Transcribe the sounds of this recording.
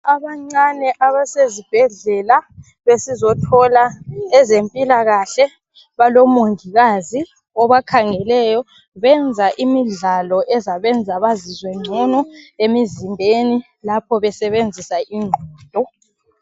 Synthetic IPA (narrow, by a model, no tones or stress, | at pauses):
aβaŋ͡ǀanɛʔaβasezib̥ʱɛɮɛla | βesizɔtʰɔlaɛzempʼilaɣaɬɛ | βalɔmoŋiɣazi | ɔβakʰaŋɛlɛjɔ | βɛnd͡zʱaʔimiɮalɔʔɛzaβɛnd͡zʱaβazizwɛŋ͡ǀʱɔnɔemizimbʱeni | lapʰɔβɛsɛβend͡zʱisaʔiŋʱɔːd̥ʱɔ